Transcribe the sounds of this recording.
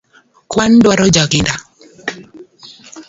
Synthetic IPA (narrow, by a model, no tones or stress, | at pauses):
kwandwaɾɔd͡ʒakɪnda